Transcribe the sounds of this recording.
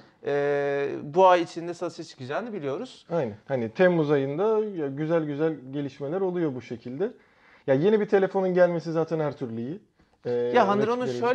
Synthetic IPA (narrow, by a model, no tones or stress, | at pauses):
ɛːbuajit͡ʃʰind̪ɛsasɯjat͡ʃʰɯ̥kɯd͡ʒaːnɯbilʲijo̞ɾuz̥ajnænhanit̪ʰɛmːuzajɯnd̪ajaɟyzælʲɟyzælʲɟe̞lʲiʃme̞lʲæɾo̞lˠujo̞buʃe̞cʰilʲd̪ɛ | jaje̞nibit̪ʰe̞lʲe̞fo̞nunɟælʲme̞sizaːt̪ʰænhæɾt̪ʰyɾlʲiji | ɛːjaɦand̪ɯɾo̞nueʃø